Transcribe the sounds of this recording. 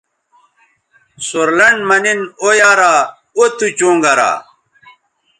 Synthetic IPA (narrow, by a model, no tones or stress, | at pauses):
soɾlɐɳmɐninojaːɾaː | ot̪ut͡ɕõːŋɡɐɾa̰ː